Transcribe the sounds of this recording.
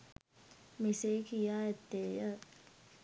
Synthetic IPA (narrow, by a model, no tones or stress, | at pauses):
miseːkijaːɛt̪ːeːjə